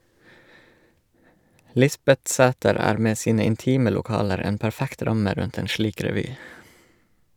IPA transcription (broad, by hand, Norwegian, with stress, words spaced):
ˈlɪsbɛtˌsæːtəɾ ˈæːɾ ˈmeː ˈsiːnə ɪnˈtiːmə lʊˈkɑːləɾ ˈeːn pæɾˈfækt ˈɾɑmə ˈɾʉnt ˈeːn ˈʃliːk ɾɛˈʋyː